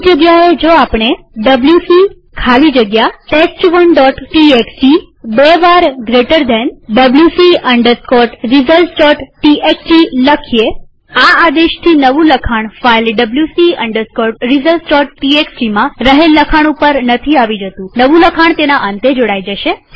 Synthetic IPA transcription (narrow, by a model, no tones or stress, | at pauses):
d͡ʒəɡjaed͡ʒoapɳ̃e | ɖəbljusi | kʰalid͡ʒəɡjaʈesʈʋənɖɔʈʈieksʈi | beʋaɾɡɾeʈəɾd̪ɛnɖəbljusiəɳɖəɾskɔʈɾizəlst͡ʃɔʈʈiekʈiləkʰije | aad̪eʃt̪ʰinəʋũləkʰaɳ̃failɖəbljusiə̰ɳɖəɾskɔʈ̚ɾizəlʈɔʈːieksʈimãɾəɦelːəkʰaɳ̃upəɾnət̪ʰiaʋid͡ʒət̪ũnəʋũləkʰaɳ̃t̪enaʔə̃nt̪ed͡ʒoɽajd͡ʒəʃe